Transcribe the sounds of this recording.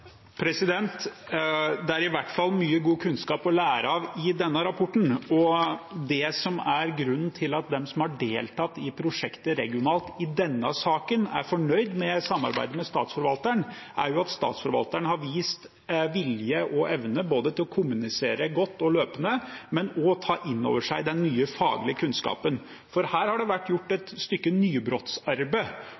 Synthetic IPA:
pʰɾɛsɪd̪ɛnt̪ | d̪ɛæɾɪʋæʈːfɑlːmyːəɡuːkʰʉnskɑːpɔlæːɾəɑʋɪd̪ɛnːəɾɑpʰɔʈːɳ̩ɔd̪ɛsɔmæɾɡɾʉnn̩t̪ʰɪlɑt̪̚d̪ɛmsɔmhɑɖeːlt̪ʰɑt̪ːɪpʰɾʊʂɛkt̪əɾɛɡɪʊnɑːlt̪ɪd̪ɛnːəsɑːkənæ̰ɾfɔɳœʏd̪mɛsɑmːɑ̰ɾbæ̰ɪd̪əmɛst̪ɑːt̪sfɔɾʋɑlt̪əɳ | ʔæ̰ɾjʊɑt̪st̪ɑ̰ːt̪sfɔɾʋɑ̰lt̪əɳəhɑɾʋiːst̪ | ʋɪljəʔɔʔɛʋnəboːd̪ət̪ʰɪlɔkʰʊmʉnɪseːɾəɡɔt̪ːɔløːpənəmɛnɔt̪ʰɑːʔɪnːo̰ːʋəʂæɪd̪ɛnmyːəfɑ̰ːɡlɪəkʰʉnskɑ̰ːpən | fɔɾhæːɾhɑɖɛʋæʈːjʊʈːɛt̪st̪ʏkːənyːbɾoːt̪sɑɾbə

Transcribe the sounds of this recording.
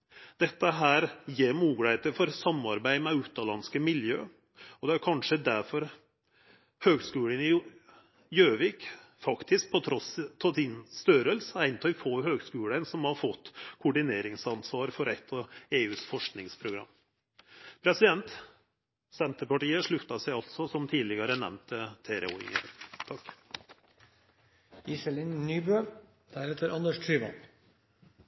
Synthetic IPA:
d̪̥ɛt̪ːəɦæːɾjeːɾmuːɡɽəeːt̪əɾfɔɾsɑmːɑɾbæɪmɛʉːt̪ɑlɑnskəmɪljø̰ː | ɔd̪ɛæɾkʰɑnʂəd̪æɾfɔɾ | høːɡskʉːɽənɪ | jøːʋiːk | fɑkt̪ʰɪsk̚pʰɔt̪ʰɾɔst̪ʰɑsɪnst̪œɾəlsæɪnt̪ʰɑɪfoːɦøːɡskʉːlənsɔmhɑɾfɔt̪ːkʰʊɖɪneːɾɪŋsɑnsʋɑːɾfɔɾɛt̪ʰːɔeːʉːsfɔʂknɪŋspʰɾʊɡɾɑ̰mː | pʰɾɛsɪd̪ɛnt̪ | sɛnt̪əpɑʈiːəʂɭʉft̪ːɑsæɪɑlt̪sɔsɔmt̪ʰiːlɪɡɑɾənɛ̰mnt̪ət̪ʰeːɾɛ̰ṵɪ̰ŋə̰t̪ʰɑk | ɪsɛlɪnnyːbøː | d̪̥æɾɛt̪əɾɑnd̪əʂtʰɾyːʋə̰

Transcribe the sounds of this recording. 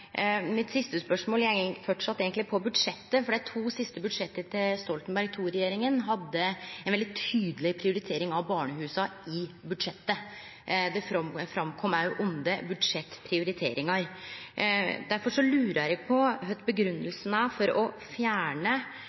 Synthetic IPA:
mɪt̪sɪst̪əspœʂmoːlfɔʈʂɑt̪ːeːɡənt̪ɪpʰɔbʉd̪ʂɛt̪ːəfɔɖɛt̪ʰuːsɪst̪əbʉd̪ʂɛt̪ːət̪ʰɪlst̪ɔlt̪nbæɾɡ̚t̪ʰuːɾɛjeːɾɪŋənɦɑd̪ːəɛnʋɛld̪ɪt̪ʰyːd̪əlɪpʰɾɪʊɾɪt̪ʰeːɾɪŋɑʋbɑːɳəhʉːsɑɪbʉd̪ʂɛt̪ːə | d̪ɛfɾɑmkʰɔmæʉʔʊnd̪əbʉd̪ʂɛt̪ːpʰɾɪʊɾɪt̪ʰeːɾɪŋɑɾ | d̪æɾfɔʂɔlʉːɾæɪkpʰɔɦœt̪bəɡɾʉnːəlsnæfɔɾɔ | fjæːɳə

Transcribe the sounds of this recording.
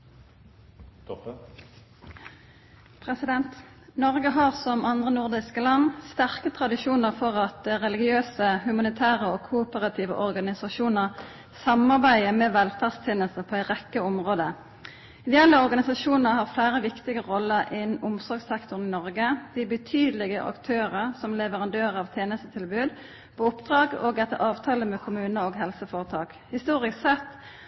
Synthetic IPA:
pʰʁɛsɪd̪ɛnt̪ | nɔʁɡəɦɑːʁsɔmʔɑnd̪ʁənʊʁd̪ɪskəlɑnːst̪æʁkət̪ʰʁɑd̪ɪʃuːnəʁfɔʁɑt̪ʁɛlɪɡɪøːsəhʉmɑnɪt̪ʰæːʁəoːkʰupəʁɑt̪ʰiːʋə̰ʔɔʁɡɑnɪsɑʃuːnəʁ | sɑmɑʁbæɪəmeːʋɛlfæʁst̪ʰɪnːəlst̪əpʰɔːæɪt̪ʁɛkːəɔmʁoːd̪ə | ɪd̪ɛɛlːəɔʁɡɑnɪsɑʃuːnəʁhɑːʁflæɪʁəʋɪkt̪ɪɡəʁɔlːəʁʔɪnʊmsɔʁɡsɛkt̪ʊʁn̩ɪnɔʁɡəd̪̥ɪbət̪ʰyːd̪əlɪɡəʔɑ̰kt̪ʰøːʁəsɔmlɛʋəʁɑnd̪øːʁəɑːʋt̪ʰjeːnəst̪ət̪ʰɪlbʉːd̪ | pʰɔʊpd̪ʁɑːɡoːɡɛt̪ːə̰ʁɑːʋt̪ʰɑːləmɛkʰʊmʉːnəoːɡɦɛlsəfoːʁət̪ʰɑːk | hɪst̪uːʁɪksɛt̪ː

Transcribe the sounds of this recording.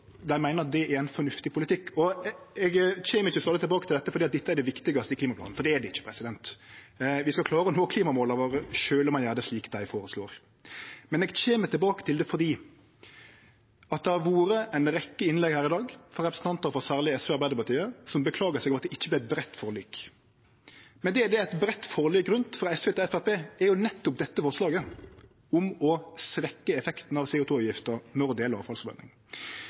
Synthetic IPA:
d̪æɪmæɪnəɾɑt̪̚d̪ɛʔæɾæɛɪnfɔnʉft̪ɪpʰʊlɪt̪ʰɪkːʰɔɛɡt͡ɕeːməɾɪçːəsɑlət̪ɪlbɑːkət̪ɪld̪ɛt̪ːəfɔɾdiːt̪̚d̪ɛt̪ːəæɾd̪ɛʋɪkt̪ɪɡɑst̪əɪkliːmɑplɑ̰n̩fɔɾd̪ɛæd̪ɛɪt͡ʃːə̥pʰɾɛsɪd̪ɛnt̪ | ʋɪskɑkʰlɑːɾəɔnoːkʰliːmɑmoːlɑʋoːɾəʃøːləɾmɑnjæːd̪əsliːkd̪æɪfoːɾəsloːɾ | mɛnɛɡt͡ɕeːmət̪ʰɪlbɑːkə̥t̪ʰɪld̪ɛfɔd̪iː | ɑt̪̚d̪ɛhɑʋuːɾəʔæɪnɾɛkːəɪnlɛɡhæːɾɪd̪ɑːɡfɔɾɛpɾəsn̩t̪ɑnt̪əɾfɔʁsæːʁlɪəɛsfɛːɑɾbæɪd̪əpɑʁt̪ʰiːəsɔmbəkʰlɑːɡəsɛːɡʋmɑt̪d̪ɛʔɪçːəblɪɛt̪̚bɾɛt̪ːfɔːʁlyːk | mɛnd̪ɛæd̪ɛæɪt̪bɾɛt̪ːfɔʁlyːɡɾʉnt̪fɾɑɛsfeːt̪ɪɛfæɾpeːɛɾjʊnɛt̪ːʊp̚d̪ɛt̪ːəfɔʁʂlɑːɡə | ʊmɔsʋɛkːəɛfɛkt̪n̩ɑʋseːʊt̪ʰuːʉːjɪft̪əɾnɔʁd̪eːləɾɑːʋfɑlsɔʋœ̰nɪ̰ŋ

